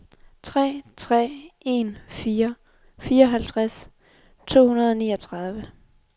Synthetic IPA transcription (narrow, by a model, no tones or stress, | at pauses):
t͡sʰʁɛ̰ːt͡sʰʁɛ̰ːe̝nfiːɐ | fiːɐɒ̽ɦælt͡sʰʁas | t͡sʰo̝̰ːhunɐð̞ˠɒ̽niːɒ̽t͡sʰʁɑ̈ð̞ˠʋə